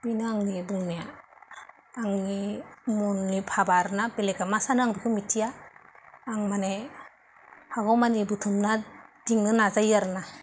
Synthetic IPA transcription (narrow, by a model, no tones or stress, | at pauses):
binɯaŋnibuŋnija | aŋnimunːipʰabaɾnabelekamasanɯaŋdukʰɯmitʰijaː | ŋmane | haɡɔwmanibutʰumnad̥iŋnɯnazajaɾɯna